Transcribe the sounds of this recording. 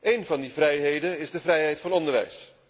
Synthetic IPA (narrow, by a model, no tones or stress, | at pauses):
ejnvɑndivrɛjɦejdənɪzdəvrɛjɦɛjtfɑnɔndəɹʋɛ̰js